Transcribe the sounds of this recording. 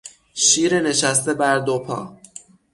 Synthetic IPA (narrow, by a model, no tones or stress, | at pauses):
ʃiːɾene̞ʃæst̪e̞bæɾd̪opʰɒ̰ː